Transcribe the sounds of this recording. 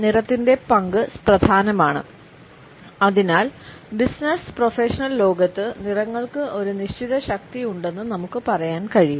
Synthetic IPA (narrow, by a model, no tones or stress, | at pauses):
nirɐt̪ːinde̞pɐŋɡɨprɐd̪ʱaːnɐmaːɳɨ̰ | ɐðinaːl | bisnɐsprofeːʂɐnɐllo̞ːɡɐt̪ːɨnirɐŋːɐɭkɨʔo̞ɾuniɕt͡ɕiðɐɕɐk̚t̪ijuɳɖe̞nːɨnɐmukːɨpɐrɐjaːnkɐɻiju